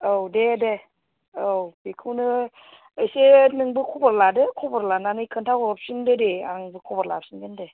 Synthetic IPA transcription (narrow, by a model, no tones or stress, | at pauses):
owdede | owbekʰɯwnɯː | jsenɯŋbɯkʰubɯɾladɯkʰɔbɯɾlananɯjkʰɯntʰawɔp̚sindɯdea̰nɯŋbɯkʰɔbɔɾlap̚sinɡɯnde